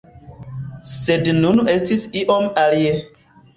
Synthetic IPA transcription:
sednunestisiʔomalie

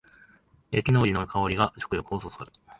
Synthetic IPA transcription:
jakʲinoːɾʲinoɯkʰao̞ɾʲiɡat͡ɕo̥kɯ̟jo̞kɯ̟ososoɾɯ̟̥

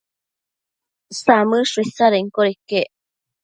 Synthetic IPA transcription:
samɨʂisaɾeŋkoɾike

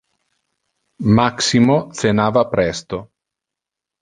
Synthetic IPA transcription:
maksimot̪senaːvapɾɛst̪o

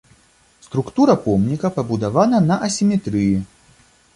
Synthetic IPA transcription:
st̪ɾukt̪uɾɐpɔmnʲikɐpɐbud̪avanɐnɐʔɐsʲimʲɛt̪ɾɨji

